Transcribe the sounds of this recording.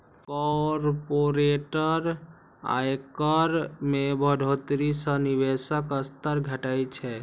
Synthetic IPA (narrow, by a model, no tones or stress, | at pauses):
kɔɾpoɾeʈəɾ | a̰jkəɾmebʱəɖʱot̪ɾisənibesəkəst̪əɾɡʱəʈajt͡ʃʰɛ